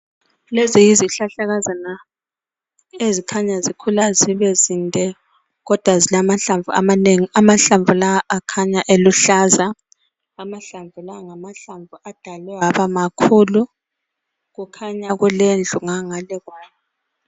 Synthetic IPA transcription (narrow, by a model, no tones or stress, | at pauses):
lezijiziɬaɬaɣazana | ezikʰaɲazikʰulaziβɛzintʼɛ | ɣɔd̥ʱwazilamaɬaɱvʱua̰maneŋiamaɬaɱvulawaʔakʰaɲaʔeluɬazaː | maɬaɱvulaŋamaɬaɱvuad̥ʱalɛwaβamakʰuːlu | ɣukʰaɲaɣulend͡ɮʱuŋaŋalɛɣwaːjɛ